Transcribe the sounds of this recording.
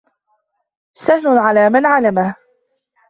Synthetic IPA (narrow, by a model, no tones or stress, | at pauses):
sahlʊʕalaːmanʕalamah